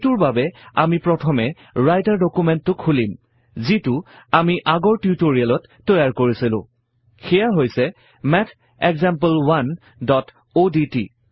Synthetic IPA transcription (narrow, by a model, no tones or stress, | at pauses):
tʊɹbabɛa̰mipɹɔtʰɔmɛ | ɹajtaɹdɔkumɛntːʊkʰulim | zitʊ | amiʔaɡɔɹtjutoɹialɔtːɔjaɹkoɹisilʊ̰̃ | xɛjaɦojsɛ | mɛtʰ | ɛkzampəlwan | dɔt | oditḭ